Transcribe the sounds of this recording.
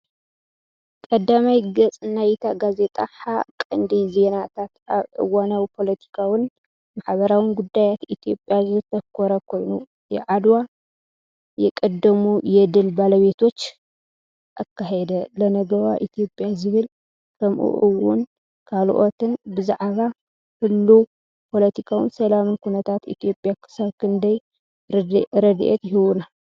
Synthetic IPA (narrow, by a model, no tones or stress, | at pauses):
kʼɐd̪ːamajɡɐt͡sʼnajt̪ʰaɡaze̞t̪ʼaħakʼɐ̰nd̪ize̞nat̪ʰat̪ʔaβʔɨ̰wanɐwpʰo̞lɐt̪ʰi̥kʰawʊn | maħβɐɾawinɡud̪ːajat̪it̪ʰijo̞pʼjazɨt̪ʰɐkʰːoɾɐkʰo̞jnu | jɛʕad̪wa | jɛkʼɐd̪ːɐmujɛd̪ɨlbalɐβe̞t̪ʰo̞t͡ʃː | ʔakʰːaɦed̪ɐlɐnɐɡɐwaʔit̪ʰijo̞pʼːjazɨβɨl | kʰɐmʔṵʔuwʊ̰n | kʰalʔo̞t̪ʰɨnbɨzaʕβa | hɨlːu | pʰo̞lɐt̪ʰikʰawinsɐlamɨnkʰunɐt̪ʰat̪ḭt̪ʰijo̞pʼjakʰɨ̥saβkʰɨnd̪ɐj | ɾɐd̪ʔḛt̪jɪhɨwuna